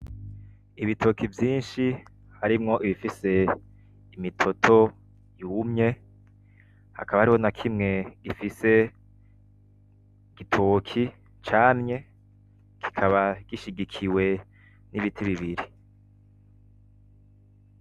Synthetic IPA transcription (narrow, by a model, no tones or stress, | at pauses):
iβitʰokivjiːnʃi | haɾimŋo̞ʔiβifise̞ | imitʰo̞tʰo̞ | jumɲe̞ | ha̰kʰaβahaɾiho̞nakʰimŋe̞ɡ̥ifise̞ | ɡ̥itʰokʰi | t͡ʃaːnɲe̞ | kʰi̥kʰaβaɡ̥iʃiɡikʰiwe̞ | niβitʰiβiβiɾi